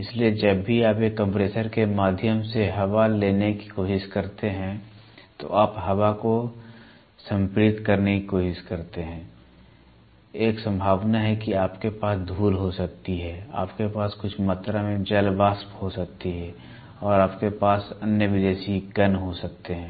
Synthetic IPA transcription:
ɪslied͡ʒɐbːiaːpjekːə̃mpɾeːsəɾkemaːd̪ʱjəmseɦɐʋaleːneki̥koːʃɪʃkɐɾt̪eɦɛ̃ | t̪o̰ʔaːpɦɐʋako | sə̃mpɾɪt̪kɐɾnekikoːʃɪʃkɐɾt̪eɦɛ̃ː | eːksə̃mbʱaːʋnaɦɛkiaːpkepaːsd̪ʱuːlɦosɐk̚t̪iɦɛːa̰ːpkepaːskʊt͡ʃʰmɐt̪ɾamẽd͡ʒɐlbaːsphosɐk̚t̪iɦɛː | ɔːɾaːpkepaːsənjəʋɪd̪eːʃiɡɐnɦosɐk̚t̪eɦɛ̃ː

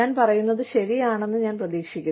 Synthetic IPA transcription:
aːnpɐrɐjunːɐðɨɕɐɾijaːɳe̞nːɨɲaːnprɐðiːkʂikʲːu

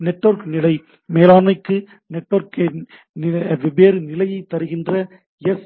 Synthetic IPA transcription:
nɛʈːɐɾknɪlɐɪ | meːlaːmɐɪkːɯ | nɛʈːʋɐɾk | nʋɪbeːɾɯnɪlɐjɐɪt̪ːɐɾɯɣɪndrɐ | ɛs

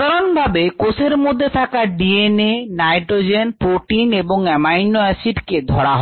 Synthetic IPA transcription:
d̪aɾonbʱabekosʰeɾmod̪ʱːet̪ʰakaɖienenajʈɾod͡ʑenpɾoʈineboŋɛmajnːoɛsiɖked̪ʱɔɽaɦ

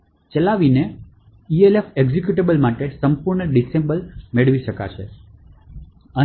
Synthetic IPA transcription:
t͡ʃəlaʋine | ielefeɡd͡ʒekjuʈ̬ebəlmaʈesəmpuɾɳəɖisebəlmeɭʋiʃəka̰ʃʰe | ə

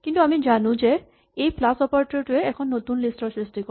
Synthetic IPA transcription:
kint̪uamid͡ʑanud͡ʑe | ejplasɔpaɾʈɾeʈueɛkʰɔnːot̪unlisʈɔsɾisʈikɔ

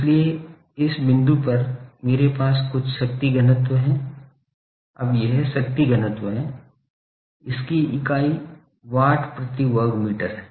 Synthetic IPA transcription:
ɪslie | ɪsbɪ̃nd̪upɐɾmeːɾepaːskʊt͡ʃʰʃɐk̚t̪iɡɐnət̪wəɦɛ̃ː | ɐ̰bjeɦɛʃɐk̚t̪iɡɐnət̪wəɦɛ̃ː | ɪskiɪkaːi | ʋaːʈʰpɾɐt̪iʋəɾɡmiːʈəɾɦɛː

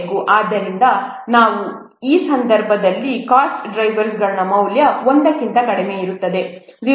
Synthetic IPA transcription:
ɡuʔaːd̪ːɐɾind̪ɐ | naːʋu | iːsɐnd̪ʱɐɾbʱɐd̪ɐlːikaːsʈɖɾɐjʋɐɾsɡɐɭɐnɐmɐwljɐond̪ɐkːint̪ɐnɐɽeme̞iɾut̪ːɐd̪e̞zi

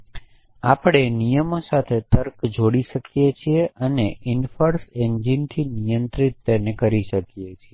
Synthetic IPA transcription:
apɽ̃enijəmosat̪ʰet̪əɾkd͡ʒoɽiʃəkjet͡ʃʰieʔəneʔɪnfəɾsend͡ʒint̪ʰinijənt̪ɾit̪ːenekəɾiʃəkjet͡ʃʰie

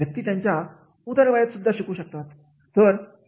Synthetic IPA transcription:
jək̚t̪iːt̪jãɲt͡ɕja | ut̪əɾʋajat̪sud̪ʱːaɕikuːɕək̚t̪at̪ | t̪əɾ

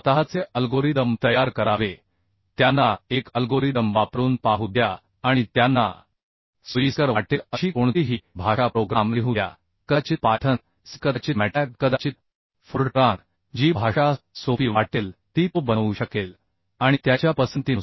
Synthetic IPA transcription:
t̪əɦat͡seəlɡoɾid̪əmt̪əjaɾkəɾaʋe | t̪janːaekəlɡoɾid̪əmʋapɾuːnpaɦud̪jaː | ɽ̃it̪janːa̰ | suisəɾʋaʈeəɕiːkoɳt̪iɦiːbʱaʂapɾoɡɾamleɦud̪ja̰ | kət͡ɕipaʈʰən | skəd̪at͡ɕimɛʈɛk̚kəd̪at͡ɕit̪ | fuɾʈɾãɾ | d͡ʑibʱaʂasofiʋaʈelt̪it̪obənuɕəkel | aɽ̃it̪jat͡ɕjapəsənt̪in

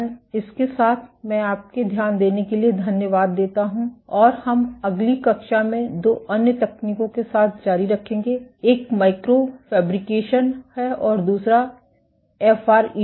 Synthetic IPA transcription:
ɪskesaːt̪ʰmɛ̃ːaːp̚ked̪ʱjaːnd̪eːnekelied̪ʱɐnjəʋaːd̪ːeːt̪aɦũɔːɾhɐmɐɡlikɐkʃamẽd̪oːʔɐnjət̪ɛkʰniːkõkesaːt̪̚ʰd͡ʒaːɾiɾɐkʰẽːŋɡeːeːkmaːɪkɾofɛːbɾɪkeːʃənhɛɔːɾd̪uːsɾa | ɛːfaːɾi

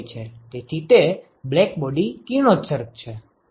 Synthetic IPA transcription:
t͡ʃʰet̪et̪ʰit̪e | blekbɔɖikinosəɾk̚t͡ʃʰe

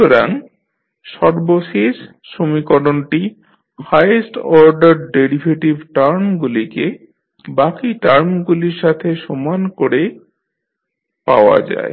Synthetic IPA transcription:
oɾaŋ | ʃɔɾboʃeʃ | ʃomikɔɖonʈi | fajesʈɔɾɖaɾɖeɾibʱeʈibʈaɾmɡulike | bakiʈaɾmɡuliɾʃat̪ʰeʃɔmankoɾe | pa̰oa̰d͡ʑa̰e

